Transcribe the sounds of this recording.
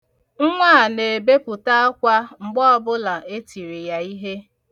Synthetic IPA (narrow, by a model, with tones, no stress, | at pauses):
ŋ̩˦ŋʷa˦˨ne˨be˦pʊ˨ta˦a˦kʷa˦ŋ͡m̩˨ɡ͡bɔ˦ɔ˦bʊ˦la˨e˦ti˨ɾe˨ja˦i˦ɦe˦